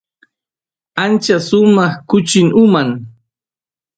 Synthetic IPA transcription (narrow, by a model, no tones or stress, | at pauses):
ant͡ʃasʊmɑχkʊt͡ʃɪŋʊmaŋ